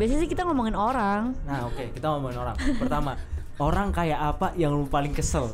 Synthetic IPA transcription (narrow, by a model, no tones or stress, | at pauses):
bias̬asɪhkit̪aŋɔmɔŋɪnoɾaŋnaokekit̪aŋɔmɔŋɪnoɾa̰ŋpərt̪ama | oɾaŋkajaʔapajaŋlupalɪŋkəsəl